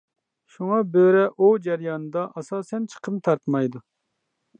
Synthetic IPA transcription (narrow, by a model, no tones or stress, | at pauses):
ʃuŋɑbøɾɛʔud͡ʒɛɾjɑːnɨd̪ɑʔɑsɑːsɛnt͡ʃʰə̥qʰəmt̪ʰɑɾt̪mɑjd̪u